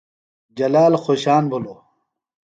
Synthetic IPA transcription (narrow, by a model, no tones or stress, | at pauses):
d͡ʑɐlaːlxoɕaːnbʱulo